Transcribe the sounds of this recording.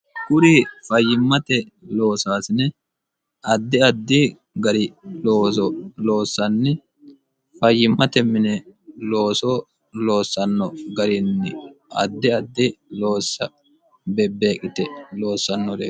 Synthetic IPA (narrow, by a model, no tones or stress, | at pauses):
ɡʊɾifɐjːɪmːɐt̪ɛ | lo̞ːsaːsɪnɛ | ɐd̪ːɪɐd̪ːɪ | ɡɐɾɪloːɔlo̞ːsːɐnːɪ | fɐjːɪmːɐt̪ɛmːɪnɛlo̞ːsɔ | lo̞ːsːɐnːɔɡɐɾɪnːɪɐ̰d̪ːɪɐd̪ːɪlo̞ːsːɐ | bɛbːeːkʼːɪt̪ɛlo̞ːsːɐnːɔɾḛː